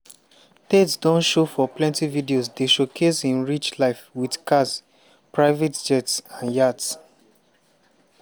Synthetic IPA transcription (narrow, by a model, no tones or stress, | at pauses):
tetsdɔ̃nʃofɔplɛ̃ntividiosdeʃokʰesĩnɹit͡ʃlaɪfwidkas | pɹaɪvɛtd͡ʒɛtsãnjats